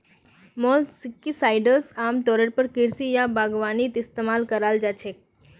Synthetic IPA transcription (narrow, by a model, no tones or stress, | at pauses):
mɔlsɪkːisajɖəɾsamt̪ɔɾəɽpəɾkɪɾsijabʱaɡʋanit̪ɪst̪emalkəɾald͡ʒat͡ʃʰe